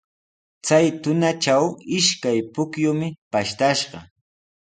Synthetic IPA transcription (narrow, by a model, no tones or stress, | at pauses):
t͡sajt̪ʊnat͡ʃawɪʃkajpʊkjʊmɪpaʃt̪aʃɢɑ